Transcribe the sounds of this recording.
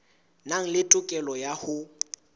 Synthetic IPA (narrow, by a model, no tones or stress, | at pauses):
naŋ̩lɪtʼʊkʼɛlɔjahʊ